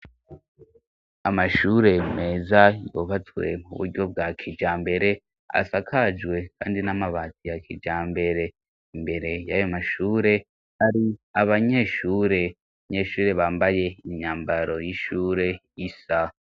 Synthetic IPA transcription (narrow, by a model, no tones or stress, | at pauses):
amaʃuːɾe̞me̞ːzajo̰ːβat͡swe̞̰mṵβṵɾɟo̞b̚ɡakʰid͡ʒaːmbe̞ɾe̞ | a̰sakʰad͡ʒwe̞kʰaːndinamaβatijakʰid͡ʒaːmbe̞ɾe̞ | imbe̞ɾe̞jajomaʃuːɾe̞ | aɾiaβaɲe̞ʃuːɾe̞ | aɲe̞ːʃuːɾe̞βaːmbaje̞iɲaːmbaɾo̞jiʃuːɾe̞jisa